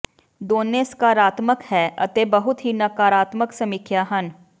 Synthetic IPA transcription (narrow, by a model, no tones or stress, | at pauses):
d̪oːnːeːskaːɾaːt̪məkhɛːʔɐ̰t̪ebɐɦʊt̪ɦinɐkaːɾaːt̪məksɐmikʰjaɦɐn